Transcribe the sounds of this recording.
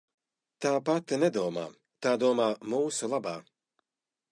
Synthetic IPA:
t̪aːpat̪nɛd̪uɔma̰ː | t̪aːd̪uɔmaːmuːsulˠabaː

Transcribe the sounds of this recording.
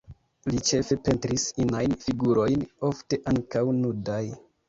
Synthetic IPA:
lit͡ʃe̞fe̞pe̞ntɾisinajnfiɡuɾo̞jno̞fte̞ʔaŋkawnudaj

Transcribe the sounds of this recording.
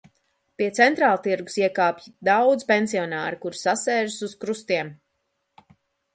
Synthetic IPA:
piɛt̪sɛnt̪ɾaːlˠt̪iɾɡu̥siɛkaːpjid̪awd̪zpɛnsiɔnaːɾikuɾsasɛːʒsuskɾust̪iɛm

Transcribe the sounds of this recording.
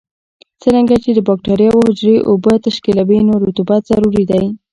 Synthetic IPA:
t͡səɾaŋɡat͡ʃed̪əbɑk̚ʈɑɾjɑwəhʊd͡ʒɾeʔobət̪aʃkilabinoɾut̪ubat̪z̥aɾuɾid̪aj

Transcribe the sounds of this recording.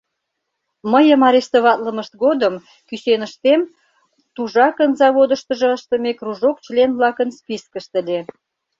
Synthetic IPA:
məjəmɑɾest̪oβɑt̪ləməʃt̪̚ɣod̪əm | kysenəʃt̪em | t̪uʒɑkənzɑβod̪əʃt̪əʒɤ̆əʃt̪əmekruʒokt͡ɕlenβlɑkənspiskəʃt̪ə̆lʲe

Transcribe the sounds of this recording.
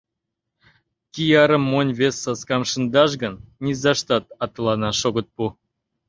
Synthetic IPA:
kʲijɑɾə̆mːonʲβesːɑskɑmʃənd̪ɑʃ̬ɡənnʲizɑʃt̪ɑt̪ɑt̪əlɑnɑʃoɣə̆t̪̚pu

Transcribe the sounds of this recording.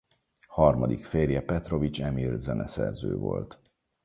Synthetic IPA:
hɒrmɒd̪ikfeːrjɛpɛt̪ro̞vit͡ʃɛmilzɛnɛsɛrzøːvo̰lt̪

